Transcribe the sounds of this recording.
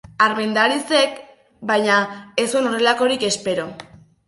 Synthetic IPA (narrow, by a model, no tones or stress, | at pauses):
aɾme̞nd̪aɾise̞k | bajɲaesono̞re̞lako̞ɾike̞spe̞ɾo